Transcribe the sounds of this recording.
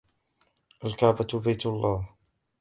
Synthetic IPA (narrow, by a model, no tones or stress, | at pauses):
ʔalkaʕbabajt̪lˤːɑːh